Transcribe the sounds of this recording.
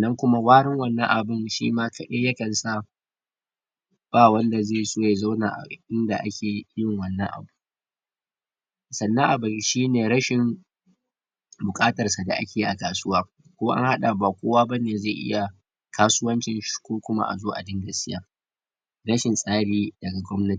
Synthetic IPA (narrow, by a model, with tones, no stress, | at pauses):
sɐ˨nːɐ˦ŋkʷʊ˦ma˦waː˦ɽɪ˦ŋwɐ˦nːɐ̰˦ŋʔa˨bɪ˦nʃḭː˦maː˦kʰɐ˨ɗeː˦jɐ˦kɐ˨nsa˦˨ | b̥aː˦˨wɐ˦nda˨zeː˦˨soː˦ja˨za˦wnaː˨ʔa̰˨ɪ˦nda˨ʔa̰˦kʲeː˨˦jɪ˦˨ŋwɐ˨nːɐ̰˦ŋʔa̰˨bu˦ | sɐ˨nːɐ˦ʔa˨bɪ˦˨n˨ʃiː˦neː˨ɾɐ˦ʃɪ˨ŋ | bʊ˨kʼaː˦tɐ˨rsa˨da̰˨ʔa̰˦kʲeː˨i˦ʔa˨kaː˨sʊ˦waː˦ | kʷoː˦ʔa̰˦ŋha˦ɗa˨ba˨kʷoː˦waː˦bɐ˦neː˨za˦˨ʔɪ̰˦ja˨ | kʰaː˦sʊ˦wɐ˦nt͡ʃɪ˨nʃkʷoː˦kʷʊ˦ma̰˦ʔa̰˨zoː˦ʔa̰˨dɪ˦ŋɡɐ˨sɪ˦ja̰ː˦ | ɾɐ˦ʃɪ˨nsʼaː˦ɽiː˦dɐ˨ɡa˨ɡʷɔ˦mnɐ˦ti̥˨